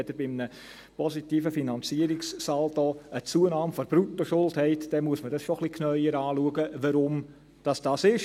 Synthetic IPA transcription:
ɛd̥̪əɾbɪmnə | pɔsitiːfəfinɑnt͡siəɾɪkssɑːld̥ɔːət͡suːənɑːmfɔɾb̥ɾutːoʃʊlthɛɪtd̥ɛmuəsmədɑsʃoχlikʰnœʏəɾɑːluəɡəʋəɾʊm | d̥ɑsd̥ɑsɪʃ

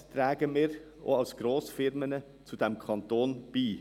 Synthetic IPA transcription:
t̪ʰɾæːɡəmeːɾ | ʔo̰ːɑlsɡ̥ɾoːsfɪɾmənə | t͡sud̪ɛmkʰɑnt̪oːnb̥iː

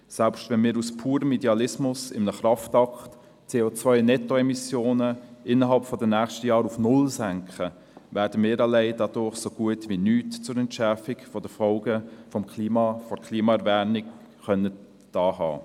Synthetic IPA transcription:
sɛlpʃtvɛnmɪːɾuspʰuːɾəmidɛɑlɪsmʊsɪmnəχrɑftɑkt | t͡seːoːt͡svœʏnɛtoɛmisjoːnəɪnəɦɑlpfɔdənæːχʃtəjɑːɾufnʊlsæŋkχə | væːɾd̥əmɪːɾɑleɪdɑdʊɾχsoɡ̥uətvinyːtt͡sʊɾɛntʃɛɾfɪkfɔd̥əfɔlɡəfɔmkʰliːmɑfɔɾkʰliːmɑɛɾvæːnɪk | χœnə | d̥ɑːɦɑ̰ː

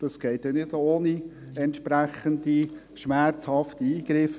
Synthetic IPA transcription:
d̥ɑsɡ̥ɛɪt̚dɛnɪdoːni | ɛntʃpɾæχənd̪i | ʃmæɾt͡shɑft̪iiːɡ̥ɾɪf

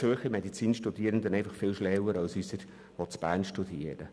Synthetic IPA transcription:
øχəmɛdit͡siːnʃtud̥̪iːəɾənd̪ənɛɪfɑχfɪlʃlɛwəɾɑlsysəɾ | ʋɔt͡sb̥æːrnʃtud̥iəɾə̰

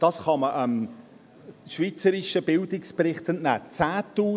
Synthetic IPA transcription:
d̥ɑsχɑməʔəm | ʃviːt͡səɾɪʃəbɪldɪkspɾɪχtənnæ̰ːt͡sæːtːuː

